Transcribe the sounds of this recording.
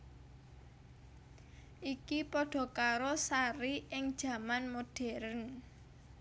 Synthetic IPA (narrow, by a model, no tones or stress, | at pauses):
ʔikipɔɖ̥ɔ̤kaɾɔsaɾiʔɪŋd̥ʒ̥ä̤manmoɖ̥ɛ̤ɾən